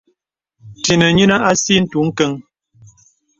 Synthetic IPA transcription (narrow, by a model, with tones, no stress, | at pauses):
ti˨nə˨ɲi˦na˦ʔa˦si˦n̩˦tu˨˦ŋ̩˦kə˦ŋ